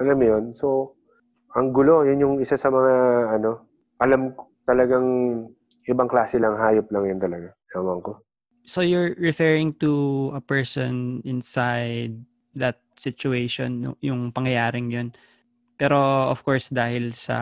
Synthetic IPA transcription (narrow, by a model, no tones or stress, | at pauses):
ʔɐlamjonso | ʔɐŋɡʊlo̞jʊnjʊŋɪsasɐmɐŋaɐno̞ | ʔɐlamkt̪ɐlɐɡaŋ | ʔɪbaŋklaːsɛlɐŋɦaːjop̚lɐŋjʊnt̪ɐlɐɡa | awaŋko | sojʊɹːɪfɛɹɪŋt̪uʔɐpɛɹsɔ̰nɪnsajd̪̚ː | ɐt̪̚sɪt͡ʃʊejʃo̰nːo̰jʊŋpɐŋjɐjaːɾɪŋjon | pɛːɾo̞ofkoɹsd̪aːhɪlsɐ̰